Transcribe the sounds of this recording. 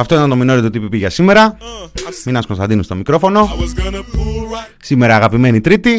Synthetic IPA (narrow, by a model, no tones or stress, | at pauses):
ɐft̪o̞it̪ɐnt̪o̞mino̞ɾit̪ot̪ipipiʝɐsime̞ɾɐ | minɐskonst̪ɐnd̪inust̪o̞mikɾo̞fo̞no̞ | sime̞ɾɐːɣɐpime̞nit̪ɾit̪i